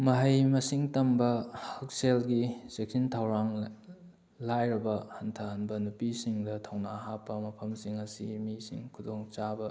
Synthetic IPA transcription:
mɐɦɐjmɐsiŋtɐmbɐhɐk̚selɡisek̚sintʰɐwɾaŋ | lajɾɐbɐhɐntʰɐhɐnbɐnupisiŋdɐtʰɐwnaɦapːɐmɐpʰɐmsiŋɐsimisḭŋkʰudoŋt͡ʃabɐ

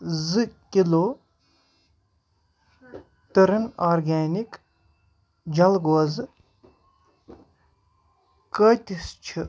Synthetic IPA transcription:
zɨkʲiloː | t̪ɨɾɨnaːɾɡaːnik | d͡ʒɐlɡoɐzɨ | kəːt̪ʲist͡ʃʰɨ

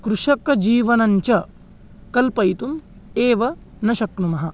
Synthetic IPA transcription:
kɾuʂɐkɐd͡ʒiːʋɐnɐɲt͡ʃɐ | kɐlpɐjt̪um | eːʋɐ | nɐʃɐknumɐɦɐ

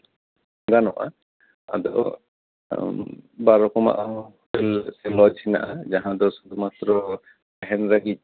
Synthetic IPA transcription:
ɡ̪anɔʔa̰ | a̰d̪ɔ̰ʔ | baɾɔkɔma̰ʔãhɔt̪ɛlsɛlɔd͡ʒsina̰ʔad͡ʒaɦãd̪ɔsud̪umat̪ɾɔ | ɛɦɛnɾaɡic̪̚

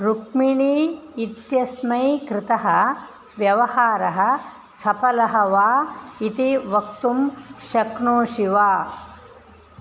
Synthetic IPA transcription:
ɾukmiɳiːit̪jɐsmɐjkɾɪt̪ɐɦɐ̆ | ʋjɐʋɐhaːɾɐɦɐ̆ | sɐpɐlɐɦɐʋaːit̪iʋɐk̚t̪umʃɐkɳoːʃiʋaː

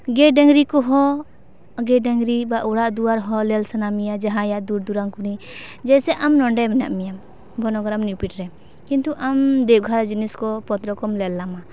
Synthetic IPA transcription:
ɡɛɖɛŋɡɾikɔɦɔ | ɡɛɖɛŋɾibaʔuɽaʔd̪uwaɾɦɔlɛlsanamijad͡ʒaɦãjaʔd̪uɾd̪uɾaŋkunid͡ʒɛjsɛʔamnɔɳɖɛmɛna̰ʔmijam | bʱɔnɔɡɔɾamnipiʈ̚ɾɛ | kint̪uʔamd̪ɛɡʱaɾad͡ʒiniskɔpɔt̪ɾɔkɔmlɛlːama

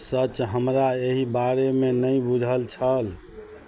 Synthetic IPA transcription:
sət͡ʃɦəmɾaeɦibaɾemenəjbud͡ʒʱəlt͡ʃʰəl

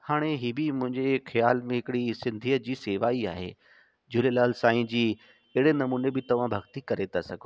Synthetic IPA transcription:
haːɽ̃eɦiːbimʊ̃ɦɪ̃ɲd͡ʑexijaːlmẽɦɪkɽisɪ̃nd̪ʱiːəd͡ʑiːseːʋaːiaːɦḛː | d͡ʑʊlelaːlsaːĩd͡ʑiː | ɐɦɪɽenɐmuːnebɪt̪ɐʋ̤ãbʱɐɡt̪ikɐɾet̪ʰasɐɡʱo

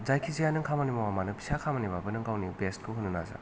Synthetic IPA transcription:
zajkʰizajanɯŋkʰamanimawamanɯpʰi̥sakʰamanibabɯnɯŋɡawnibest̚kʰɯɦɯnːɯna̰za̰

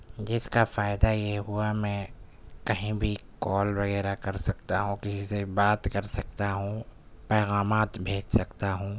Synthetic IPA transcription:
d͡ʒɪskafaːɪd̪ajeɦuamɛ̃ː | kɐɦĩbʱikɔːlʋɐɣɛːɾakɐɾsɐkt̪aɦũkɪsisebaːt̪kɐɾsɐk̚t̪aɦũ | pɛːɣaːmaːt̪bʱeːd͡ʒsɐkt̪aɦũː

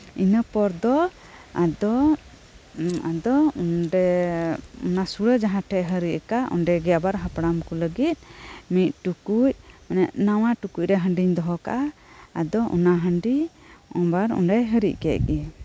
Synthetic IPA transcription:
inəpɔɾd̪ɔ | ad̪ɔ | ad̪ɔunɖɛ | ɔ̰nasuɽəd͡ʒaɦãʈʰɛʔɦəɾiʔkaʔɔ̰nɖɛɡɛjabaɾɦapɽamkɔləɡit̪̚ˀmit̪̚ˀʈukuc̚anɛʔnawaʈukuc̚ɾɛɦəɳɖiɲd̪ɔɦɔka̰ʔaːd̪ɔʔɔ̰naɦəɳɖiɔmbaɾṵnɖɛɦəɾḭckɛʔɡɛ

